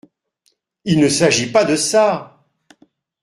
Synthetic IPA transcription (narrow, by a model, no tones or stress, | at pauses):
ilnəsaʒipad̪əsa